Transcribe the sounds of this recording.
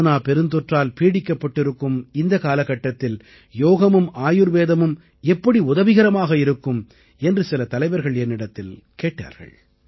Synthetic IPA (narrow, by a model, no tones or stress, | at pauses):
naːpɛɾɯnd̪ɔʈraːlpiːɽɪkːɐpːɐʈːɪɾɯkːɯmɪnd̪ɐkaːlɐkɐʈːɐt̪ːɪl | joːɣɐmɯmaːjɯɾʋeːðɐmɯm | ɛpːɐɽiʊðɐʋɪɣɐɾɐmaːɣɐɪɾɯkːɯm | ɛndrɯsɪlɐt̪ɐlɐɪʋɐɾɣɐɭɛnːɪɽɐt̪ːɪl | keːʈːa̰ːɾɣɐ̰ɭ